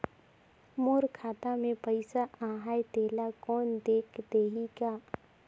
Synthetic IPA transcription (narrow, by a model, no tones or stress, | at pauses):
moːɾkʰaːt̪amẽpəɪsaãːɦaːjt̪eːlakɔːnd̪eːkʰd̪eːɦikaː